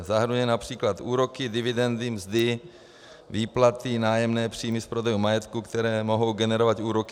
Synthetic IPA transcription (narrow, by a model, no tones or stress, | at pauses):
zaɦɾnujɛnapr̝̥iːklat̪ʔuːɾo̞kɪdɪvɪdɛnd̪ɪmzd̪ɪ | viːplat̪inaːjɛmnɛːpr̥iːmɪfpɾo̞dɛjumajɛt̪kukt̪ɛɾɛːmo̞ɦo̞wɡɛnɛɾovat̪uːɾokɪ